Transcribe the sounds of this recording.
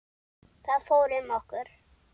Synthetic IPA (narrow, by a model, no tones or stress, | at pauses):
θaðfoːwɾɪmɔhkʏɾ̥